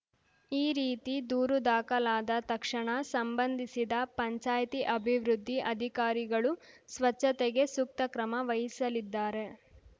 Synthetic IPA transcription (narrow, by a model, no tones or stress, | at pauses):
iːɾiːt̪id̪uːɾud̪aːkɐlaːd̪ɐt̪ɐkʂɐɳɐsɐmbɐnd̪ʱisid̪ɐpɐɲt͡ʃaːjt̪iʔɐbʱiʋɾud̪ʱːiʔɐd̪ʱikaːɾiɡɐɭusʋɐt͡ʃːɐt̪ɛɡe̞suk̚t̪ɐkɾɐmɐʋɐɦisɐlid̪ːaːɾe̞